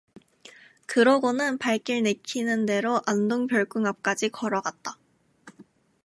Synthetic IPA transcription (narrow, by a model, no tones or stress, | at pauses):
kɯɾʌɡonɯnpaɭk͈iɭnekʰinɯnde̞ɾoʔandoŋpjʌɭk͈ɯŋap̚k͈ad͡ʑikʌɾʌɡat̚t͈a